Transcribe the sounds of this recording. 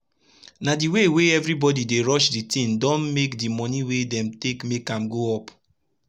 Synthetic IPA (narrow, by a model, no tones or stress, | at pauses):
nadiweweɛvɹibɔdideɹɔʃditĩndɔ̃nmekdimɔniwedɛ̃mtekmekãmɡoɔp